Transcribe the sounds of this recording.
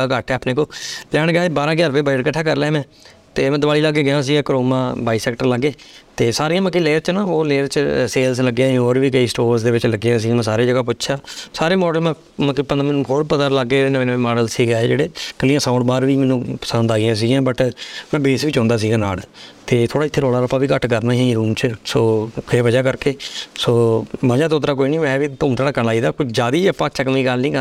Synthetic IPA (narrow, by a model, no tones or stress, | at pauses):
aːkəʈʰɛaːpneːkoːlɛːɳɡjaːebaːɾãːɡjaːɾpeːbaːəʈkəʈʰːaːkəɾlɛːmɛ̃ː | t̪eːmɛ̃d̪əbaːiːləɡːeːɡɪjãːs̬iːɡaːkɾoːmãːbaːisɛːkʈəɾləɡːeːt̪eːsaːɾiːãːməkːileːəɾt͡ʃnaːoːleːɾt͡ʃseːlsləɡãːoːɾʋiːkəiːsʈoːɾsd̪eːʋɪt͡ʃləɡejãːs̬iːãmɛ̃ːsaːɾeːd͡ʒəɡaːpʊtːʃʰaːsaːɾeːmɔːɖəlãː | məkipənd̪mɪnːkʰoːɾpət̪əɾləɡːeːnəʋẽːnəʋːmɔːɖəlsiːɡaːeːd͡ʒeːɽeːkəliːãːsãːʊɳʈbaːɾʋiːmɛːnũːpə̥sə̃nd̪aːiãːs̬iːɡjãːbəʈmɛ̃ːbeːsʋiːt͡ʃõːnd̪aːs̬iːɡãːna̰ːlt̪eːt̪ʰoːɽaːɪt̪ʰːeːɾoːlaːɾəpːãːʋiːkəʈkəɾnãːĩːɾuːmt͡ʃsoːkʰeːʋəd͡ʒaːkəɾkeːsoːməd͡ʒaːt̪oːt̪ɾaːk̬oːiːnĩːɛ̃ːʋiːt̪ʊːmt̪ʰaːɽaːkənaːiːd̪aːkʊt͡ʃʰd͡ʒaːd̪iːəpːãːt͡ʃəkmĩːɡəlnĩːkə